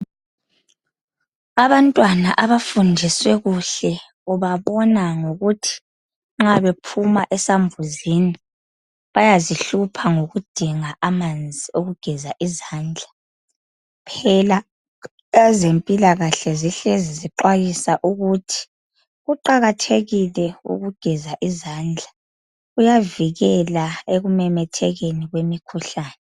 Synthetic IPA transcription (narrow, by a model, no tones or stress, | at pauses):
aβantʼwanaʔaβafundʱiswɛɣuɬɛ | uβaβɔnaŋoɣutʰi̥ | ŋ͡ǁaβepʰumaʔɛsaɱvuzini | βajaziɬupʰaŋoɣud̥ʱiŋaʔamand͡zʱioɣuɡ̥ʱɛzaʔizaːnd͡ɮʱa | pʰɛla | zempʼilaɣaɬɛziɬeziziǃwajisaʔuɣutʰi̥ | ɣuǃaɣatʰeɣilɛṵɣuɡ̥ʱɛzaʔizaːnd͡ɮʱa | ujaviɣɛlaeɣumɛmɛtʰɛɣeniɣwemikʰuɬaːnɛ